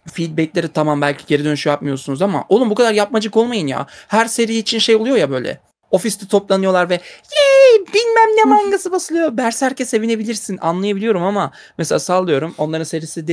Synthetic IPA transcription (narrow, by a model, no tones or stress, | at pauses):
fid̪̚bɛclʲe̞ɾit̪ʰamambælʲcʰiɟe̞ɾid̪ø̞nyʃyjap̚mɯjosunuzama̰ʔo̞lˠumbukʰad̪aɾjap̚mad͡ʒɯko̞lˠmajɯnja̰ːhæɾse̞ɾijiːt͡ʃʰinʃe̞jolˠujo̞jabø̞jlʲɛ̰ | o̞fist̪ʰit̪ʰo̞plˠanɯjo̞lˠaɾvɛjebilʲmæmnemaŋɡasɯbasɯlˠɯjo̞bæɾshæɾcʰɛsːe̞vine̞bilʲiɾsina̰nlˠajabilʲijo̞ɾumama | mɛselʲasalˠːɯjo̞ɾumo̞nˠaɾɯnse̞ɾisid̪